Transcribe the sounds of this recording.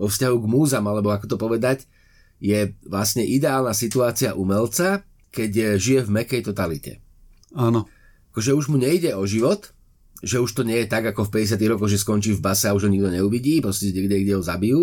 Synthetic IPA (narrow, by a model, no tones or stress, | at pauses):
ɔfscaɦuɡmuːzamalɛbɔakɔ̥t̪ɔpɔʋɛd̪ac | jɛʋlasɲɛʔid̪ɛaːlnasit̪uaːt͡siaʔumɛlt͡sa | kɛɟʒijɛvmɛkɛjt̪ɔt̪alicɛ̰ | aːnɔ | akɔʒɛuʒmuɲɛiɟɛɔʒiʋɔt̪ | ʒɛuʃt̪ɔɲɛjɛt̪aɡakɔxfpɛɟɛs̬ɪat̪iɣɾɔkɔɣʒɛskɔnt͡ʃiːvbasɛauʒɦɔɲiɡd̪ɔɲɛuʋiɟiːpɾɔscɛɲɛɡdɛɡɟɛɦɔzabiju